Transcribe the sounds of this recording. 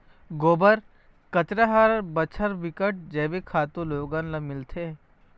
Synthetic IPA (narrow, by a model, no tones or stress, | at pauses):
ɡoːbəɾ | kət͡ʃɾaɦaːɾbət͡ʃʰəɾʋɪkəʈ̚d͡ʒɛːbekʰaːt̪õloːɡãːnlɐmɪlt̪ʰe